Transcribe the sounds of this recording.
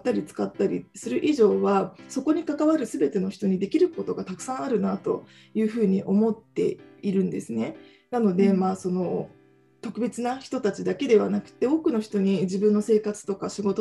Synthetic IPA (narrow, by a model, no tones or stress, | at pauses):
t̪ːaɾʲit͡sɨ̥kat̪ːaɾʲisɨɾɯ̟ʔiʑo̞ːβaso̞ko̞ɲ̟ikakaβaɾɯ̟sɨbe̞t̪e̞no̞çi̥t̪o̞ɲ̟id̪e̞kʲiɾɯ̟ko̞t̪o̞ɡat̪akɯ̥sãɰ̃aɾɯ̟nat̪o̞̰ | jɯ̟ːɸɯ̟ːɲ̟iʔo̞mo̞t̪ːe̞̰iɾɯ̟̃nd̪e̞sɨne̞ | nano̞d̪e̞maːso̞no̞ | t̪o̞kɯ̟be̞t͡sɨnaçi̥t̪o̞t̪at͡ɕid̪ake̞d̪e̞βa̰nakɯ̟̥t̪ːe̞o̞ːkɯ̟no̞çi̥t̪o̞ɲ̟id͡ʑibɯ̟̃nːose̞ːkat͡sɨ̥t̪o̞kaɕiɡo̞t̪o